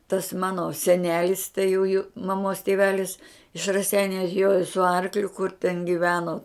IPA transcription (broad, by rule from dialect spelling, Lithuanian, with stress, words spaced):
tɐs ˈmɑːnoː sʲɛˈnʲæːlʲɪs tɐɪ juː juː mɐˈmoːs tʲeːˈʋʲæːlʲɪs ɪʃ rɐˈsʲɛɪnʲʊ ɐtʲˈjoːjoː sʊ ˈɐrklʲʊ kʊr tʲɛn ɡʲɪˈʋʲæːnoː